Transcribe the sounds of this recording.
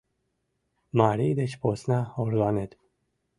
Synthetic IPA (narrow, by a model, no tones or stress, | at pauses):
maːɾiːd̪ɛʃpʰoːsnɑhoɾlɑːnɛd̪